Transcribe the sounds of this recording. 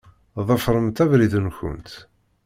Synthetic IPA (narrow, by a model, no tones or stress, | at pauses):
ðˤəfɾˤəmt̪ævɾiðənçə̰nt̪